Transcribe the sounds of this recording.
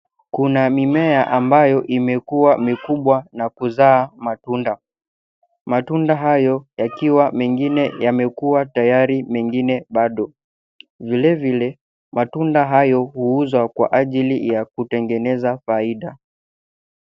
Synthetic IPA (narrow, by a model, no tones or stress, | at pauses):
kunamimɛaʔambajɔʔimɛkuwamikuɓwanakuzaːmatunda | matundaɦajɔjakiwamɛŋɡinɛjamɛkuwatajaɾimɛŋɡinɛɓaɗɔ | vilɛvilɛ | mʔatundaɦajɔhuuzwakwa̰ʔaʄilijakutɛŋɡɛnɛzafaiɗa